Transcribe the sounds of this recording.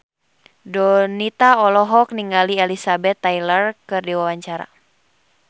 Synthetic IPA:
dɔnit̪aɔlɔɦɔk̚niŋɡaliɛlisabɛt̪ːajlərkɨrdiwawaɲt͡ʃaɾa̰

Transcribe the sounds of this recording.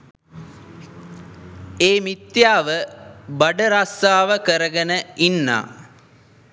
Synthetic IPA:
eːmit̪jaːʋəbaɖəɾasaːʋəkəɾəɡənəinːa̰ː

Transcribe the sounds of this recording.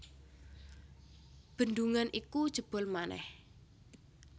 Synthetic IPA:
b̥ə̤nd̪uŋanʔikud̥ʒ̥ə̤b̥ɔ̤lmanɛ̰h

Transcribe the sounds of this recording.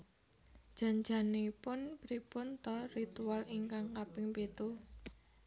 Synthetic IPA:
d̥ʒ̥a̤nd͡ʒanepʊnpɾipʊnt̪ɔrit̪ualiŋkaŋkapɪŋpet̪u

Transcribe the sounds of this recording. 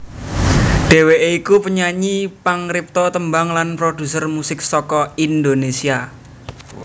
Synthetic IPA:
ɖ̥e̤weʔeikupəɲaɲipaŋɾip̚t̪ɔt̪əmbaŋlanpɾod̥ṳsərmusɪk̚sɔkɔind̪onesia

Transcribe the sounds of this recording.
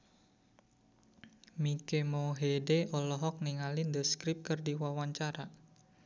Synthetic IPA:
mikemɔɦedeʔɔlɔɦɔk̚niŋalindəskɾɪp̚kərdiwawaɲt͡ʃaɾa

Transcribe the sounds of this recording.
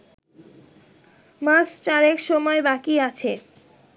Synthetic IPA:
mast͡ɕaɾekʃɔmɔebakiat͡ɕʰe

